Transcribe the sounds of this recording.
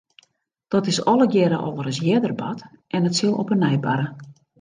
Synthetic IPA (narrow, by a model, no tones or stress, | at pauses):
d̥ɔtɪsɔlˠəɡjɛɾəʔovəɾəsjɛdərba̰tʔɛnətsɪlˠɔ̰pənːɛjba̰ɾə